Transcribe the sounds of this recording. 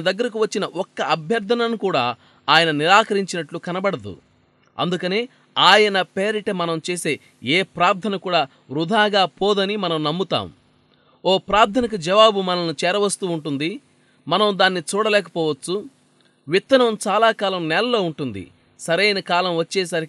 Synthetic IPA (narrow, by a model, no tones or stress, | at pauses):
ɐd̪ɐɡːɐɾɐkiʋɐt͡ʃːinɐʔɔkːɐʔɐbʱjɐɾt̪ʰɐnɐnukuːɽaː | aːjɐnɐniɾaːkɐɾiɲt͡ʃinɐʈlukɐnɐbɐɽɐd̪ṵ | ɐ̰nd̪ukɐneː | aːjɐnɐpeːɾiʈɐmɐnɐmt͡ʃeːse̞ː | eːpɾaːɾt̪ʰɐnɐkuːɽaː | ɾud̪ʱaːɡaːpɔːd̪ɐnimɐnɐmnɐmːut̪a̰ːm | oːpɾaːɾt̪ʰɐnɐk̬ud͡ʒɐʋaːbumɐnɐnut͡ʃɛːɾɐʋɐst̪uːɳʈund̪i | mɐnɐmd̪aːnːit͡ʃuːɽɐlɛːkɐ̥pɔːʋɐt͡ʃːu | ʋit̪ːɐnɐmt͡ʃaːlaːkaːlɐmnɛːlɐlo̞ːuɳʈund̪ḭ | sɐɾɐjnɐkaːlɐmʋɐt͡ʃːɛːsɐɾi